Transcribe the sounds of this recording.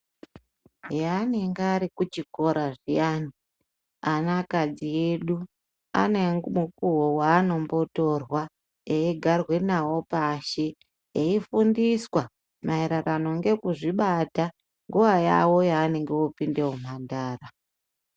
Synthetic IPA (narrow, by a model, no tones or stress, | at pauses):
janeŋɡeaɾikut͡ʃiko̞ɾaʐijaːni | anakad͡zije̞ɗu | a̰ne̞ŋɡumukuɦowaːno̞mbo̞to̞rwa | eiɡʱarwe̞nawo̞paʃe | eifundiswa | mʔaiɾarano̞ŋɡe̞kuʐiɓata | ŋɡuʋaja̰wo̞jaːne̞ŋɡeopinde̞om̤andaːra